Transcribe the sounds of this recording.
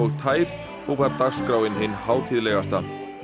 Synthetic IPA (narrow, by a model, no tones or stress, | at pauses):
ɔɣt̪ʰaːjɾ | ɔɣvaɾt̪aɣskɾawɪnhɪnːhaːwt̪ʰɪðlɛɣast̪a